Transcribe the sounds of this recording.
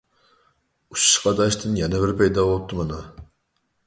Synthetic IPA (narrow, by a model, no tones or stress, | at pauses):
ut͡ʃʃqɑd̪ɑʃt̪ʰɨnjɛnɛbɪɾpʰɛjd̪ɑwot̪ʰːɨmɨnɨ